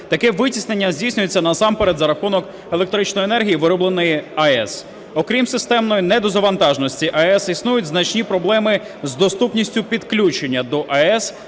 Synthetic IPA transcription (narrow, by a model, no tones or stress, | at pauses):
t̪ɐkɛʋɪtʲisnenʲːɐzʲdʲijsʲnʲʊjet͡sʲːɐnɐsɑmpeɾed̪zɐɾɐxunɔk | elˠek̚t̪ɾɪt͡ʃnɔjenɛrɦʲijiʋɪɾɔblˠenɔjiɐɛs | ɔkɾʲimsɪst̪ɛmnɔjinɛd̪ɔzɐʋɐnt̪ɑʒnɔsʲtʲiʔɐɛsisnujʊtʲznɐt͡ʃnʲipɾɔblˠɛmɪ | zd̪ɔst̪upnʲisʲtʲʊpʲid̪klʲut͡ʃenʲːɐd̪ɔʔɐɛs